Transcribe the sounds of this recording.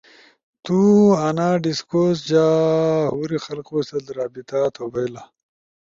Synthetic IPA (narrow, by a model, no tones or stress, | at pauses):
t̪uanaːɖiskosd͡ʑaːɦuɾixɐlqwosɐlɾaːbit̪at̪ʰobɐjla